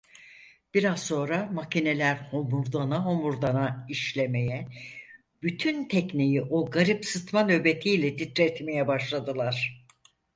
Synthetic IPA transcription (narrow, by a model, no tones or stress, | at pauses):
b̥iɾazso̞ːɾamacine̞lʲæɾho̞muɾd̪anaɦo̞muɾd̪anaiʃlʲe̞me̞jɛ | b̥yt̪ʰynt̪ʰɛcnijiʔoɡaɾipsɯt̪manø̞be̞t̪ʰijlʲɛd̪ʰit̪ɾɛt̪me̞jɛbaʃlˠad̪ɯlˠaɾ̥